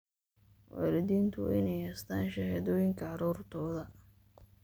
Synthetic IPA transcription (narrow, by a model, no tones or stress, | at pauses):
wa̰ːlɪðiːnt̪ʰʊ̰ʔɪ̰nɛjhɛːst̪ʰaːnʃɐhaðɔːjɪŋkʰɐʕɑɾɔːrt̪ʰɔːðɐ